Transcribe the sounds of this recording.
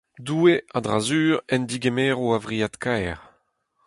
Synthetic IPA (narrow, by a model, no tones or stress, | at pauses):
duːeadʁazyːʁɛnd̪iɡemeːʁoavʁijat̪kʰaɛʁ